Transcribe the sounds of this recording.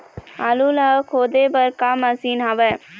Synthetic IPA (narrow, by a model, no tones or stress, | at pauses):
ɐlulakʰod̪ebɐɾkaːmɐsinɦɐʋɐ